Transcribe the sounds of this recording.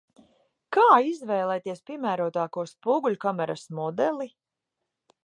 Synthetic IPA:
kaːizvɛjlˠɛjt̪iɛspʲiɛmæːɾuɔt̪aːkuɔspuːɡulʲukamɛɾa̰smɔd̪ɛlˠi

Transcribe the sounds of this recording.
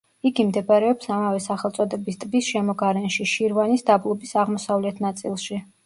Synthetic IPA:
iɡimd̪ɛbaɾɛɔpsamavɛsaχɛlˠt̪sʼɔd̪ɛbist̪ʼbisʃɛmɔɡaɾɛnʃiʃiɾvanisd̪ablˠɔbisaʁmɔsavlɛt̪ʰnat̪sʼilˠʃi

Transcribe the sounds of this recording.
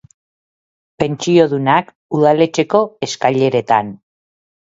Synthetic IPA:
pe̞nt͡ʃio̞ðunak | uð̞ale̞t͡ʃe̞ko̞e̞skaʎe̞ɾe̞t̪an

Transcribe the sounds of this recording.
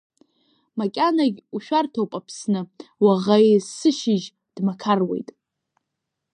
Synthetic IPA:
makʲʼanaɡʲuʃᶣartʰowpʼapʰsnɨwaʁajsɨʃɪʒ | d̥makʰarwe̞̰jtʼ

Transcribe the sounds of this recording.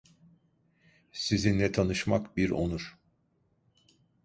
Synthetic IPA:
sizinːɛt̪ʰanɯʃmakbiɾo̞nuɾ̥

